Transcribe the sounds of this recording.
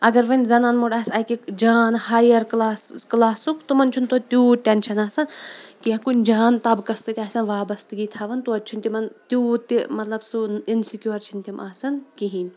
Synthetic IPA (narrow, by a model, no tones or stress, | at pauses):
ɐɡɐɾʋɐnʲzɐnaːnmuɖaːsɐkikd͡ʒaːnhaːjɐɾklaːsklaːsukt̪umɐnt͡ʃʰunt̪ot̪ʲuːʈʲɐnʃɐnaːsɐnkiɐkunʲd͡ʒaːnt̪ɐbkɐst̪ɨt̪ʲaːsʲɐnʋaːbɐst̪ɨɡiːt̪ʰaʋɐnt̪uɐt̪ʲːt͡ʃʰunʲt̪ʲimɐnt̪uːt̪ːimɐt̪lɐbsuinsikʲjoːɾt͡ʃʰinʲt̪imʔaːsɐnkiɦiːnʲ